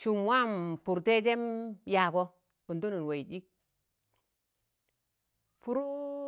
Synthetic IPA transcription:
ʃu˨mwa˦mpu˨ɾte˦te˦mja˨ko˦ | u˨nto˦nu˨n˨we˨ji˨ɗi˦k̚ | pu˦ɾu˦

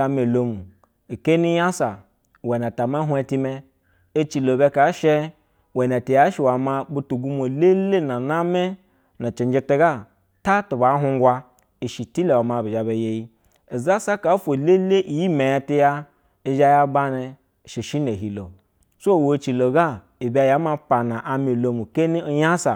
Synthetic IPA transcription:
a˧me˨lo˨mu˨ | i˨ke˦ni˦ja˦sa˨ | we˨na˨ta˨ma˦ɦu˦e˦˧ti˧me˧ | e˦t͡ʃi˨lo˨be˦ka˨˦ʃe˦ | we˨ne˨ti˨ja˦ʃi˨wa˨ma˧bu˦tu˨ɡu˦mo˨le˦le˦na˨na˦me˦ | na˨t͡ʃe˨nd͡ʒe˧te˦ɡa˦ | ta˦tu˨ba˨˦ɦu˧ŋ˦ɡʷa˧ | i˨ʃi˨ti˦le˨wa˨ma˨bi˨ʒa˨be˨je˦ji˦ | e˨za˦sa˦ka˨˦fo˨le˦le˦ʔi˨ji˦me˨ja˧ti˦ja˦ | e˨ʒa˦ja˦ba˦ne˧˨ | ʃe˨ʃi˦ne˨ɦi˨lo˨ | so˦˨wo˨˦t͡ʃi˨lo˨ɡa˦˨ | i˨ba˨ja˦ma˧pa˨na˨ʔa˨mi˨lo˨mu˨ke˦ni˦o˦ja˦sa˨

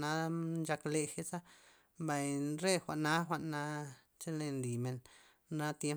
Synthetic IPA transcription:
na˧˦nd͡ʒa˧kle˧xe˦t͡sa˦ | mba˨jɾe˦xʷa̰˨ʔna˦xʷa˧˨ʔnːa˧ | t͡ʃe˦le˧nli˨me˨n | na˧t̪je˦

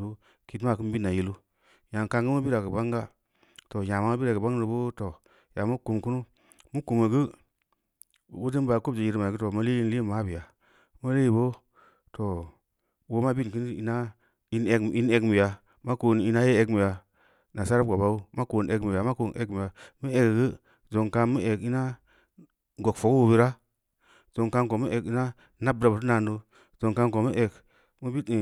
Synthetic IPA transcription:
u˦ | ki˨tma˦˨kɨ˦n˦bi˦nːa˨ji˦lu˦ | ja˨n˨ka˦ŋɡə˦ma˦bi˦ɾa˨kə˨ba˦ŋɡa˦ | to˨ja˨ma˦a˦bi˦ɾa˨kə˨ba˦ŋ˦ɾbo˦to˨ | ja˨mu˦ku˨mku˦nu˦ | mu˦ku˨me˨ɡə˦˨ | wu˦di˦n˦ba˨˦ko˦b̚d͡ʒe˨ji˨˦ɾma˨ɡɨ˦to˨ma˦li˦i˦n˦li˦˨ma˦bi˨ja˨ | ma˦li˦i˨bo˦ | to˨ | wo˦ma˦bi˦n˨kɨ˦n˦ḭ˦na˦ | i˦ne˦˨i˦ne˨kmi˨ja˨ | ma˦ko˦n˨i˦na˦je˦e˨kmi˨ja˨ | na˨sa˦ɾa˦ko˨ba˦u˦ma˦ko˨ne˨kmi˨ja˨ma˦ko˦n˨ʔe˦kmi˨ja˨mə˦e˨ɡɡi˦ | zo˨ŋka˦mə˦ʔe˨ki˦na˦ | ɡo˨kfo˨kwo˦bi˦ɾa˦ | z̥o˨ŋka˦nko˨mə˦ʔe˨ki˦na˦ | na˦b̚da˨bə˨tna˨ndo˦ | zo˨ŋka˦nko˨mə˦ʔe˨k | mə˦bi˦˨

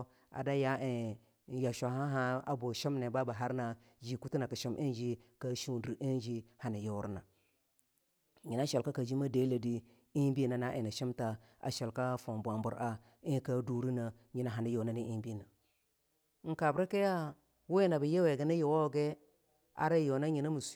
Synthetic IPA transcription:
a̰˨da˦ja˦e˨˦ | ja˨ʃa˨˦ɦa˦ɦa˦a̰˨bo˨ʃi˦mne˨ba˦ba˨ɦa˦ɾna˨ | d͡ʒi˨ku˦ti˦na˨ka˨ʃi˦mʔi˦nd͡ʒi˦ka˦ʃi˦˨di˨ʔi˦n˦d͡ʒi˦ha˨ni˨jo˦wɾna˨ | ɲi˨na˦ʃe˨lka˦ka˨d͡ʒi˦ma˦de˦la˨di˦ | i˦bi˦na˨na˦ʔe˨na˨ʃi˦mta˨ | a̰˨ʃe˨lka˦fo˨mbʷa˨mbṵ˨ɾa˦ | i˦ka˦du˦ɾi˦na˨ | ɲi˨na˨ɦa˨ni˦jo˨na˦ni˦i˦bi˦na˨˦ | ŋ̩˨ka˨bɾa˦ke˦ja˦ | wo˦na˨ba˨je˦we˨ɡe˦na˦jo˨wo˦ɡe˦ | a̰˨ɾe˦jo˨na˦ɲi˨na˦mu˨s

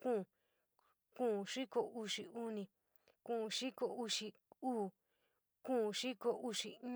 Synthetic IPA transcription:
kũ˦˨ | kũ˦˨ʂi˦ko˧˨u˧ʂi˧u˦nĩ˧ | kũ˦˨˧ʂi˦ko˧u˧ʂi˧ | uː˦˨ | kũ˦˧ʂi˦ko˧ʔu˧ʂi˧ĩ˦

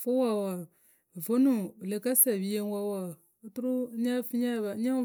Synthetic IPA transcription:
fo˦wa˨wa˨ | vo˦nũ˨le˨ka˦sa˨bi˦je˦n˦wa˦wa˨˦ | tu˦ɾu˦ɲa˦fi˦ɲa˦˨ba˨˦ɲa˦

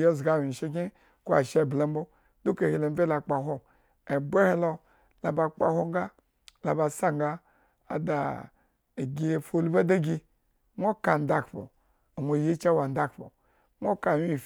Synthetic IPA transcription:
jo˦˨zɡa˨˦˨wi˨ʃe˦kʲi˦ | ko˦a̰˨ʃe˦˨bla˦m˦bo˦ | du˦ke˨hi˨lo˨m˦ve˦la˨k͡pa˨ɦo˦ | e˨be˦he˦lo˧ | la˨ba˨k͡pa̰˨ho˦ŋ˦ɡa˦ | la˨ba˨sa˦ŋɡa˦ | a̰˨da˨ | e˨ɡʲi˨˦˨fo˦˨lu˦ba˦da˦ɡʲi˧ | ŋʷo˦ka˨n˨da˦kpo̰˨ | a˨mʷo˨ji˦t͡ʃa˦wa˨n̩˦da˦kpo̰˨ | ŋʷo˦ka˨wi˦˨

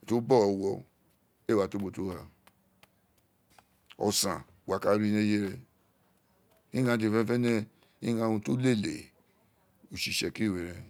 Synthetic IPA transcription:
to˦bɔ˦˨ɔ˧wɔ˧ | e˦˨wa˨to˦bo˨to˦ha˨ | ɔ̰˨sã̰˨wa˨˦ka˦ɾi˦nẽ˦je˦ɾɛ˧ | ĩ˦ɡã˧t̬i˧˨fɛ̃˧˦fɛ˦nɛ̃˦ | ĩ˦ɡã˧˦˧ũ˧to˦le˦˨lḛ˨ | o˨ʃi˨ʃɛ˨ki˦˨we˨ɾɛ̃˧

